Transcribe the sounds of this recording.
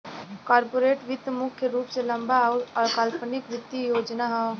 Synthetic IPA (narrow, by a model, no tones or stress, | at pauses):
kaːɾpoːɾeːʈʋɪt̪mʊkʰjəɾuːpselɐmbaʊɔːɾkəlpnɪkʋɪt̪ːijoːd͡ʒnaɦɔ